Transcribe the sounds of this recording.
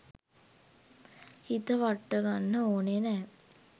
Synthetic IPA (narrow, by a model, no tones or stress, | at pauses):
hit̪əʋaʈːəɡanːəoːnenɛː